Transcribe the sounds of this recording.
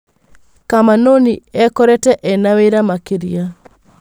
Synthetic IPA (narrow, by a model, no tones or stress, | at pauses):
kamanoniɛkɔɾɛtɛʔɛnaweɾamakiɾia